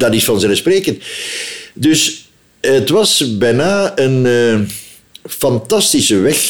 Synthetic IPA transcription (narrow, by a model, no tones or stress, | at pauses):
d̥ɑdɪsfɑnzɛləspreːkənt | dɵs | ətʋɑsbɛnaːən | fɑntɑstɪsəʋɛx